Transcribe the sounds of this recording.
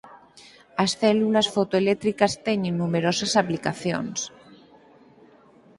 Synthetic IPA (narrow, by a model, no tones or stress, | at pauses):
asθɛlulasfot̪oelek̚t̪ɾikast̪eɲenːumeɾosasaplikaθjo̰ns